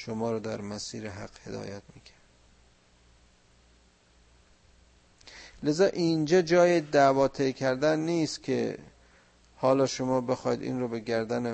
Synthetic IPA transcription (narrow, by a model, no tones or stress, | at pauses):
ʃomɒːɾɒːd̪æɾmæsiːɾeɦæqhe̞d̪ɒ̰ːjæt̪miːcʰæɾd̪ | le̞zɒːʔind͡ʒɒːd͡ʒɒːjed̪ævɒːt̪ʰejcʲʰæɾd̪ænːiːst̪kʲʰḛ | hɒːlɒːʃomɒːbe̞xɒːjid̪ḭːnɾobe̞ɡæɾd̪æne